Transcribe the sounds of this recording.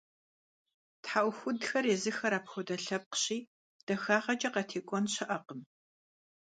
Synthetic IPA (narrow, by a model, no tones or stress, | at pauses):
tħawxʷʊdxɐɾeːzɨxɐɾaːpxʷɔdɐɬɐp̚qə̥ɕiː | d̥ɐxaːʁɐt͡ʃʼɐqɐtʰeːkʷʼɔnɕɐʔɐqəm